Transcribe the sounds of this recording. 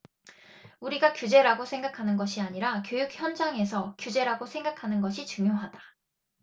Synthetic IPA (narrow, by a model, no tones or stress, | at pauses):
uɾiɡakjud͡ʑe̞ɾaɡosʰe̞ŋɡakʰanɯnɡʌɕʰiaɲiɾakjojuk̚çjʌnd͡ʑaŋe̞sʰʌkjud͡ʑe̞ɾaɡosʰe̞ŋɡakʰanɯnɡʌɕʰit͡ɕuŋjoɦad̥a